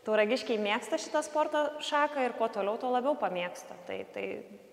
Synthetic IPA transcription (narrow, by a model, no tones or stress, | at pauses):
t̪uːɾɐɡʲɪʃʲkʲɛɪmʲeɛkst̪ɐʃʲɪt̪ɐspoːrt̪ɐʃɑːkɐɪrkoːt̪oːlʲɛʊt̪oːlˠɐbʲɛʊpɐmʲiɛkst̪ɐt̪ɐɪt̪ɐɪ